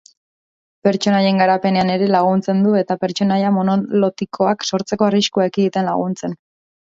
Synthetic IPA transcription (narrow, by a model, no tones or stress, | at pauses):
pe̞ɾt͡ʃo̞naje̞ŋɡaɾape̞ne̞ane̞ɾe̞laɣ̞unt͡se̞nd̪ue̞t̪ape̞ɾt͡ʃo̞najamo̞no̞lo̞t̪ikʰo̞akso̞ɾt͡se̞ko̞ariʃkuaekid̪it̪e̞nla̰ɣ̞unt͡se̞n